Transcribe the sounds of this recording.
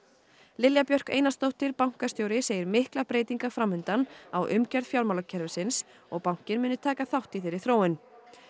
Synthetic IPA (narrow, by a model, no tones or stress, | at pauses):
lɪljapjœr̥kḛːjnast̪owht̪ɪɾpawŋ̥kast̪jowɾɪseːjɪɾmɪhklapɾeːjt̪iŋkafɾamːʏnt̪anawʔʏmcaɾð̥fjawɾmawlacʰɛɾvɪsɪns | ɔɣpawŋ̥cɪnmʏːnʏt̪ʰɛːkaθawht̪iθɪːɾɪ̥θɾoːwɪn